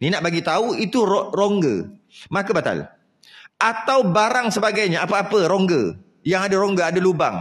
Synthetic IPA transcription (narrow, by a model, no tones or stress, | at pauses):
ninaʔbaɡit̪auit̪uɾɾoŋɡə̰ | mãkəbat̪a̰l | at̪awbaɾaŋsəbaɡajɲaʔapəapəɾoŋɡə | jaŋadaɾoŋɡəadaluba̰ŋ